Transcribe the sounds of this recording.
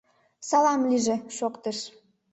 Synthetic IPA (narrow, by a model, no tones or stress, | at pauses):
sɑlˠɑmliʒĕʃokt̪əʃ